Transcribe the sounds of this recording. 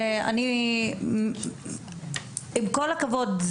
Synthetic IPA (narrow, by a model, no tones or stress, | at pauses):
a̰ni | imkolakavodz